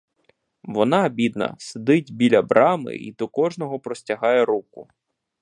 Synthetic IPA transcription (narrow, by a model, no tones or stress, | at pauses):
ʋɔnɑːbʲid̪nɐ̰sed̪ɪdʲbʲilʲɐbɾɑmɪ̰ḭd̪ɔkɔʒnɔɦɔpɾɔsʲtʲɐɦɑjɛɾukʊ